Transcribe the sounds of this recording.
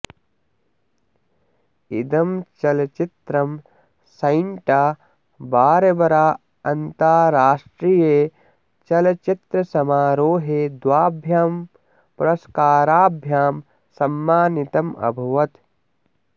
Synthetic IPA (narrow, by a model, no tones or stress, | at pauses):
id̪ɐmt͡ʃɐlɐt͡ʃit̪ɾɐm | sɐɪɳʈaː | baːɾɐbɐɾaː | ɐnt̪aːɾaːʂʈɾije | t͡ʃɐlɐt͡ʃit̪ɾɐsɐmaːɾoːɦed̪waːbʱjaːm | pɾɐskaːɾaːbʱjaːm | sɐmːaːnit̪ɐmɐ̰bʱɐʋɐt̪